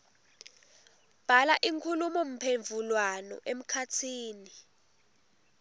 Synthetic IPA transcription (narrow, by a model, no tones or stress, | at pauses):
b̥ʱalaʔiŋkʰulumɔm̩pʰeɱvʱulwanɔ̰ʔem̩kʰatʰiːni